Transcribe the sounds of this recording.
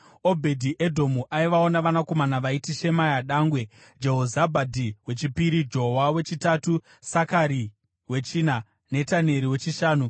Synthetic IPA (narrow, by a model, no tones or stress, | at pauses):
o̞bʱe̞dʱiʔe̞dʱo̞muʔaiʋao̞naʋanako̞manaʋaitiʃe̞majaɗaːŋɡwe̞ | d͡ʒe̞ɦozabʱadʱiwe̞t͡ʃipiɾid͡ʒo̞wawe̞t͡ʃitatu | sakaɾi | we̞t͡ʃiːna | ne̞tane̞ɾiwe̞t͡ʃiʃaːnu